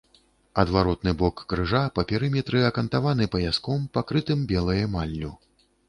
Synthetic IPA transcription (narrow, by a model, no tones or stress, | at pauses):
ɐd̪vaɾɔt̪̚nɨbɔkːɾɨʐapɐpʲɛɾɨmʲɛt̪ɾɨɐkɐnt̪avanɨpɐjʲaskɔmpakɾɨt̪ɨmbʲɛlˠɐjɐmalʲːu